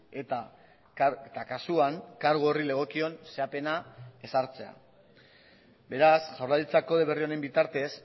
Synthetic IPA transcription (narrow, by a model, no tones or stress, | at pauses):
et̪a | et̪akasuaŋkaɾɣ̞oorile̞ɣ̞o̞kio̞nse̞ape̞nae̞saɾt͡se̞a̰ | be̞ɾasʝawɾrlalit͡sako̞ðe̞βe̞rio̞ne̞mbit̪aɾt̪e̞s